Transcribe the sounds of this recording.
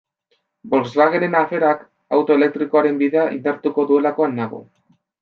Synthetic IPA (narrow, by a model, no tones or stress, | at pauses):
bo̞lzβaɣeɾe̞nafe̞ɾak | awt̪o̞e̞le̞k̚t̪ɾiko̞aɾe̞mbiðe̞aʔḭnd̪aɾt̪uko̞ðue̞lako̞anːaɣ̞o̰